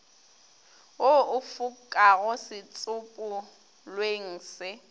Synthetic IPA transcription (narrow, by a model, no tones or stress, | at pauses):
oʊfʊkʼaɣʊsɪt͡sʼʊpʼʊ | lweŋ̩ːsɪ